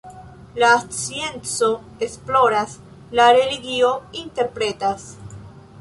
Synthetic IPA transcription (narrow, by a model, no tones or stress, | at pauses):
lat͡sient͡so | esploɾas | laɾe̞liɡio̞int̪eɾpɾet̪as